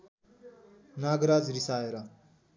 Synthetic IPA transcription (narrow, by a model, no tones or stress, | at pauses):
naːɡɾaːd͡zɾisaːeɾa